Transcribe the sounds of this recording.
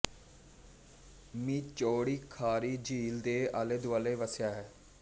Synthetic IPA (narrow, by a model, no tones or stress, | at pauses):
mĩːt͡ʃoːɽiːkʰaːɾiːd͡ʒiːld̪eːaːleːd̪ʊaːleːʋəsɪjaːɦɛː